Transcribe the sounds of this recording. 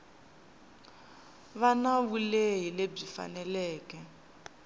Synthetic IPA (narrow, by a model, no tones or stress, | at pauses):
βanaβuleɦileb͡ʐifa̰nɛlɛːkɛ